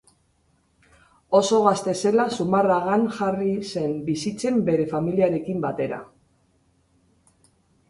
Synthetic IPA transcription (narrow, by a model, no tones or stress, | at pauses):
o̞so̞ɣ̞ast̪e̞se̞lasumaraɣanʝarise̞mbisit͡se̞mbe̞ɾe̞familiaɾe̞kimbat̪e̞ɾa̰